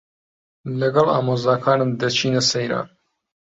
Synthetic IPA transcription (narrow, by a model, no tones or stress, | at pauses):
lɐɡɐlɑ̰ːmoːzɑːkʰɑːnɨmd̪ɐt͡ʃʰiːnɛsejɾɑ̰ːn